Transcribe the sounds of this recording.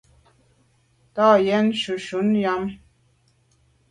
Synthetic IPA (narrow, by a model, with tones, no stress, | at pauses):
tɑ˦˨jɛ˦nʃu˨ʃu˨˦nja˦m